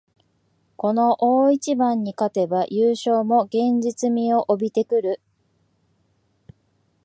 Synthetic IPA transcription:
ko̞no̞ʔoːit͡ɕibãɲ̟ːikat̪e̞bajɯːɕo̞ːmo̞ɡẽ̞ɲd͡ʑit͡sɨmʲio̞ʔobʲit̪e̞kɯ̟ɾɯ̟

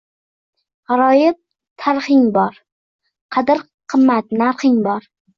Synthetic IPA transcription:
ɑɾɒjɪp̚ | t̪ʰaɾχɪŋbɒɾ | qʰɑd̪ɪɾ | qʰɨmːat̪naɾχɪŋbɒɾ

